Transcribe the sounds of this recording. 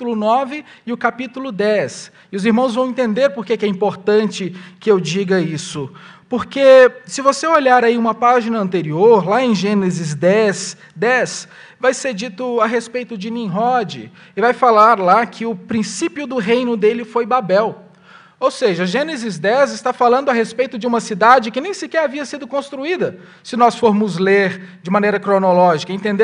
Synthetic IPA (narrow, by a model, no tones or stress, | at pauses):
lʊnɔvɪɪʊkapit̪ulʊd̪ɛs | ɪʊziɾmɐ̃w̃zvɐ̃w̃ẽnt̪ẽnd̪eɾpoɾkekɪɛĩpoɾt̪ɐ̃t͡ʃɪkɪewd͡ʒiɡɐisʊ | poɾkesɪvoseoʎaɾaiũmɐpaʒinɐɐ̃nt̪eɾioɾlaẽj̃ʒẽnezɪzd̪ɛs | d̪ɛs | vajseɾd͡ʒit̪ʊaɦespejt̪ʊd͡ʒɪnĩɦɔd͡ʒɪ̰ | ɪvajfalaɾlakʰɪʊpɾĩsipiʊd̪ʊɦejnʊd̪elɪfojbabɛw | owseʒɐʒẽnezɪzd̪ɛzɪst̪afalɐ̃nd̪ʊɐɦespejt̪ʊd͡ʒɪũmɐsid̪ad͡ʒɪkɪnẽj̃sɪkɛɾaviɐsid̪ʊkõst̪ɾuid̪ɐ | sɪnɔsfoɾmʊzleɾd͡ʒɪmɐ̃nejɾɐkɾonolɔʒikɐẽnt̪ẽnd̪e